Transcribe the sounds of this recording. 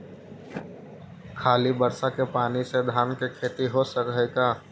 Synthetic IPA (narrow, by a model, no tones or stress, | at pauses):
kʰaːlibəɾsakepaːnised̪ʱaːnkekʰeːt̪iɦosəkɛːɡaː